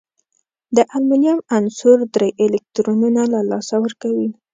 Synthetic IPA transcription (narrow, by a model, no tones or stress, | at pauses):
d̪əʔalminjɑmansuɾd̪ɾejʔelɪk̚t̪ɾonunalalɑsawəɾkawi